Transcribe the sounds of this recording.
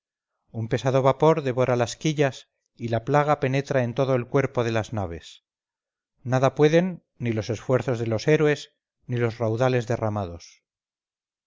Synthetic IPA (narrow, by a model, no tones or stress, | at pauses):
umpe̞saðo̞βapo̞ɾðe̞βo̞ɾalaskiʎas | ilaplaɣ̞ape̞ne̞t̪ɾae̞nt̪o̞ðoe̞lkwe̞ɾpo̞ðe̞laznaβ̞e̞̰s | naðapwe̞ðe̞nː | ilo̞se̞sfwe̞ɾθo̞zðe̞lo̞se̞ɾwe̞s | nilo̞srawðale̞zðe̞ramaðo̞s